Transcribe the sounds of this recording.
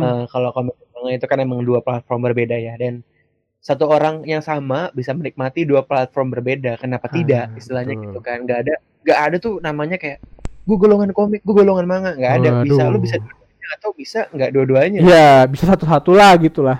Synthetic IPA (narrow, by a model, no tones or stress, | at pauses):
əːkalokomɪk̚maŋait̪ukanemaŋduaplat̪̚fɔrmbərbedajadan | sat̪uoɾaŋjaŋsamabisamənik̚mat̪iduaplat̪̚fɔrmbərbedakənapat̪idaʔist̪ilahɲaɡit̪ukanŋɡaʔːda | ŋɡaʔːdat̪ʊnamaɲakajaʔɡaɡoloŋankomɪk̚ɡuɡoloŋanmaŋaŋɡaʔːdabisalobisaduaduaɲaːt̪awbisaŋɡaʔduaduaɲajabisasat̪usat̪ulahɡit̪ulah